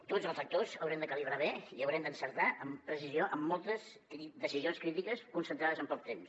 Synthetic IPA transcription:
t̪od͡zəlˠzək̚t̪ozəwɾɛmd̪əkəliβ̞ɾaβeiəwɾɛmd̪ənsəɾt̪aʔəmpɾəsizioʔəmːɔlˠt̪əs | kɾid̪əsizionskɾit̪ikəskunsə̃nt̪ɾaðəzəmpɔk̚t̪ems

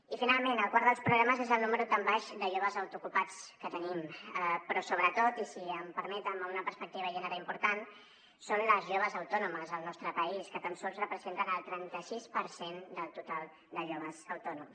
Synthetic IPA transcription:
ifinalˠmenəlˠkwaɾðəlˠspɾuɣɾaməzezəlˠnuməɾut̪ambaʃd̪əʒoβəzəwt̪ukupat͡skət̪ənimpɾɔsoβɾət̪ot̪isiəmpəɾmɛt̪əməunəpəɾspək̚t̪iβəʒɛnəɾaimpuɾt̪an | sonləzʒoβəzəwt̪ɔnuməzəlˠnɔst̪ɾəpəiskət̪əmsɔlˠzrəpɾəzent̪ənəlˠt̪ɾɛnt̪əsispəɾsend̪əlˠt̪ut̪alˠ | d̪əʒoβəzəwt̪ɔnums

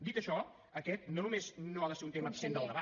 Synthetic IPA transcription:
d̪it̪əʃɔ | əkɛt̪nonumeznoaðəseɾunt̪eməːpsend̪əlˠd̪əβa

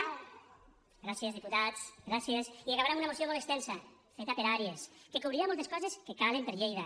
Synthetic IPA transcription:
ɡɾasjezðiput̪at͡sɡɾasiesiaɣaβɾemunɐmosiomolˠekst̪ɛnsɐfet̪apeɾaɾieskekoβɾiɾamolˠt̪̬eskɔzeskekalempeɾʎejða

